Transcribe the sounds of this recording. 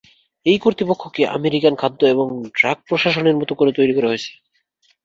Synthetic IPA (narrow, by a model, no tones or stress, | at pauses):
ejkoɾt̪ipokʰːokeʔa̰meɾikankʰad̪ːoeboŋɖɾaɡ̚pɾoʃaʃoneɾmɔt̪okoɾet̪ojɾikoɾeɦojt͡ɕʰe̥